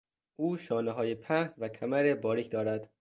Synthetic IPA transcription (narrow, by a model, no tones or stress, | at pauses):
ʔuːʃɒːneɦɒːjepʰæhvækʰæmæɾebɒːɾiːcʰd̪ɒːɾæd̪̥